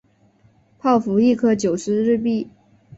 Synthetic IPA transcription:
pʰɑ˥˩ʊfu˧˥i˥˧kʰɤ˥˩t͡ɕjo˨˩ʊʂɻ̩˧˥ɻɻ̩˥˧p̬i˥˩

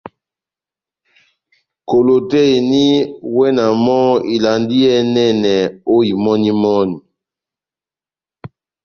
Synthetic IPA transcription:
ko˨lo˨tɛ˦e˨ni˦wɛ˦na˨mɔ˦i˨la˨ndi˦ɛ˦nɛ˦nɛ˨o˦i˨mɔ˦ni˦mɔ˦ni˨

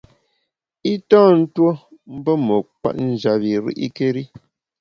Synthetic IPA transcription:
i˦tɔː˦n̩˦two˦m̩˦bə˦mə˨kwa̰˦˨tn̩˦˨d͡ʒa˨βi˨ɾḭ˦ʔḭ˦ke˦ɾi˦

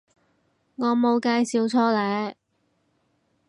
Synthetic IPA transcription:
ŋɔː˨˧˥mo˨˧wkaː˧jsiː˨˧wt͡sʰɔː˥lɛː˨˧˥

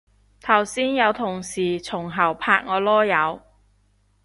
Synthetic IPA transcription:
t̪ʰɐ˨˩wsiː˥njɐ˨˧wt̪ʰʊ˨˩ŋsiː˨˩t͡sʰʊ˨˩ŋɦɐ˨˩wpʰaː˧k̚ŋɔː˨˧lɔː˥jɐ˨˧w

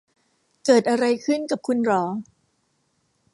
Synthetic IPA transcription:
kɤː˨˩t̪̚ʔa˧ɾa˧jkʰɯ˥˩nka˨˩p̚kʰu˧nɾɔː˩˦

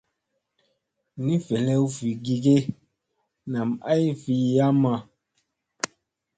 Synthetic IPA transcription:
ni˦fɛ˨lɛ˦u˦fi˨ɡi˨ɡe˦ | na˨ma˦jfi˨ja˦ma˨

